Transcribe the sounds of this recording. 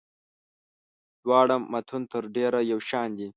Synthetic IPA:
d̪wɑːɽaːɐt̪ʰunt̪ʰəɾɖeɾajawʃɑːnd̪i

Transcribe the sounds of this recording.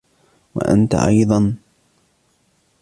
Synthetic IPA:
wa̰ʔa̰nt̪a̰ʔɑjðˤɑn

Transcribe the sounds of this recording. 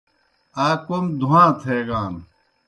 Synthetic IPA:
aːkomd̪ʱuãːt̪ʰeːɡaːn

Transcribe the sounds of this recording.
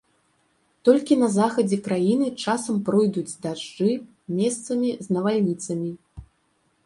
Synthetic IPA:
t̪ɔlʲkʲinɐzaxɐd͡zʲɛkɾajinɨt͡ʂasɐmpɾɔjd̪ud͡zʲd̪aʐd͡ʐɨ | mʲɛst̪sɐmʲiznɐvalʲnʲit̪sɐmʲi

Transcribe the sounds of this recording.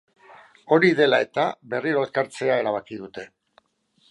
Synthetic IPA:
o̞ɾiðe̞lae̞t̪aβe̞riɾo̞eskaɾt͡se̞ae̞ɾaβ̞akiðut̪e̞

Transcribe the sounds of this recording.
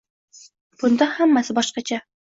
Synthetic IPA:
b̥ʊnd̪ɑhamːasɪbɒʃqɑt͡ʃʰa

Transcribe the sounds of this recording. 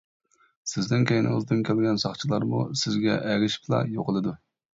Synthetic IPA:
sɪznɪnkʲejnɨ̰ŋəzd̪ɨnkʲʰɛlɡʲɛnsɑχt͡ʃʰilˠɑɾmṵsɪzɡʲɛ̰ʔɛɾʲɪʃplˠɑ̰joqəlˠɨd̪u

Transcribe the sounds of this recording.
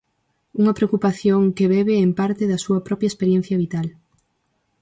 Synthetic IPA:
uŋɐpɾeokupaθjoŋkeβɛβeːmpaɾt̪ɪðɐsuɐpɾɔpjɐespeɾjẽn̟θjɐβit̪al

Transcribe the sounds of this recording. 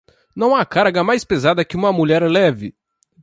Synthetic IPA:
nɐ̃w̃akaɾɡɐmajspezad̪ɐkɪũmɐmuʎɛɾlɛvɪ

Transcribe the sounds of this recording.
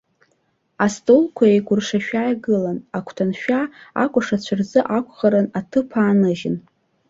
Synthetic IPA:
astʼolkʷʰaejɡʷʼʊrʂaʃᶣajɡɨlanakʷʰtʰanʃᶣaa̰kʷʼaʂat͡ɕʷʰarzɨʔakʷʰʼχaɾɨnatʰɨpʰaːnɨʒɪn

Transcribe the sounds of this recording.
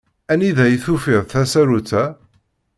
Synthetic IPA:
æniðæjθufiðθæsæɾut͡sːæ

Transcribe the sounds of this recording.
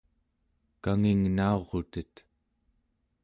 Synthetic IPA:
kaŋiŋnao̞ʁot̪ət̪

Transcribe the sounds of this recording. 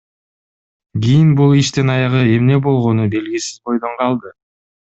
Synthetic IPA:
ɡʲijinbulˠiʃt̪enɑjɑʁɯe̞mne̞bo̞lˠʁo̞nube̞lɡisi̥zbo̞jd̪o̞ɴqʰɑlˠd̪ɯ

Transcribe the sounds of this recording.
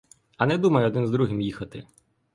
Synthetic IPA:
ɐnɛd̪umɐjʊɔd̪ɪnzd̪ɾuɦɪmjixɐt̪ɪ̰

